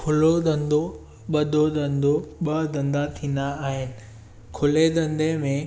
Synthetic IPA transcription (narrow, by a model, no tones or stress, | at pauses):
kʰʊlod̪ɐ̃nd̪o | ɓɐd̪ʱod̪ɐ̃nd̪ʱoɓɐd̪ɐ̃nd̪at̪ʰĩːnd̪aːɦɪnɪ̆ | kʰʊled̪ɐ̃nd̪emẽ